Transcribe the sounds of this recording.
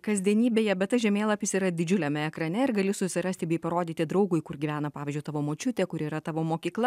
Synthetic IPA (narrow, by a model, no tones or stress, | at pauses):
kɐzʲd̪ʲiɛnʲiːbʲeːjɛbʲɛt̪t̪ɐʒʲɛmʲeːlˠɐpʲɪsiːɾɐd̪ʲɪd͡ʒʲʊlʲɛmʲɛɛkɾɐnʲɛɪɾɡɐlʲɪsʊsʲɪɾɐst̪ʲɪbʲɛɪpɐɾoːd̪ʲiːt̪ʲɪd̪ɾɐʊɡʊjkʊɾɡʲiːʋʲæːnɐpɑːʋʲiːzʲd͡ʒʲʊɪt̪ɑːʋoːmoːt͡ʃʲʊt̪ʲeːkʊɾiːɾɐt̪ɑːʋoːmoːkʲiːklˠɐ